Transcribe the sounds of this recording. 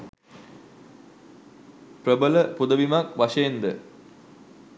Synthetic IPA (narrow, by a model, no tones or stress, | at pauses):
prəbələpud̪əʋimakʋaʂəjend̪ə